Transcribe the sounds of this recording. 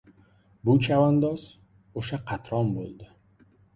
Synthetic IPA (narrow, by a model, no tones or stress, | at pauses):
bʊt͡ʃʰavand̪ɒz̥ | oʃaqʰɑt̪ɾɒmbo̰lˠd̪ɪ